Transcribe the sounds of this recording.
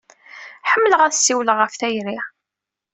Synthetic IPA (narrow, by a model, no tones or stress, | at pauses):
ħəmːələʁæðsːiwləʁəfθæjɾiʁ